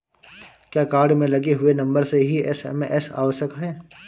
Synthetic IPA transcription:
kjaːkaːɾɖmẽlɐɡeɦʊenɐ̃mbəɾseɦiɛsɛ̰mʔɛsa̰ːʋəʃjəkɦɛː

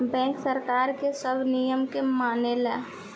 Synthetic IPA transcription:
bɛ̃ːŋksəɾkaːɾkesəbʱnijəmkemaːnelɛː

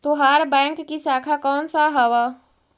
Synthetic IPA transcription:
t̪oɦaɾbɛ̃ːkːisaːkʰakɔːnsaɦɐʋaː

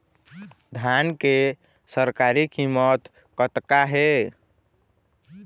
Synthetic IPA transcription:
d̪ʱjanke | səɾkaɾikʰimət̪ | kət̪kaɦe

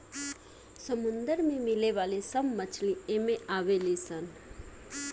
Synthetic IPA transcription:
səmʊnd̪əɾmẽmɪleʋalesəbmət͡ʃʰlĩẽmẽaʋelisən

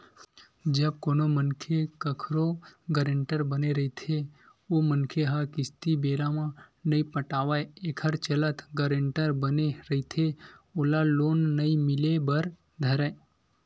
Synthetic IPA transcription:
d͡ʒəb̚konomənkʰekəkʰɾoɡəɾeɳʈəɾbəneɾəɦit̪ʰe | omənkʰeɦakɪst̪ibeɾamãnəĩpəʈaʋajekʰəɾt͡ʃələt̪ʰɡəɾeɳʈəɾbəneɾəɦit̪ʰeolalonːəĩmɪlebəɾ | d̪ʱəɾe

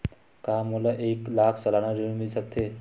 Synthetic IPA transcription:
kamolaʔeklaːkʰsəlanaɾĩmilsək̚t̪ʰe

